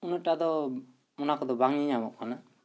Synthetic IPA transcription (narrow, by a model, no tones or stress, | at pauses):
unɔʈad̪ɔ | mɔnakɔd̪ɔbaŋiamɔʔ̚kana